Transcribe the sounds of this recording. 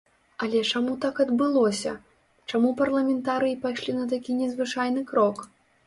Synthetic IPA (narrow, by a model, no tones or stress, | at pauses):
ɐlʲɛt͡ʂamut̪akɐd̪bɨlˠɔsʲɐ̰ | t͡ʂamupɐrlˠɐmʲɛnt̪aɾɨjipajʂlʲinɐt̪̬akʲinʲɛzvɨt͡ʂajn̪ɨkɾɔk